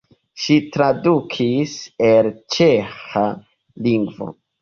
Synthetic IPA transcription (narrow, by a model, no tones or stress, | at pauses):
ʃitɾadukʰiselt͡ʃexa | liŋɡvo̞̰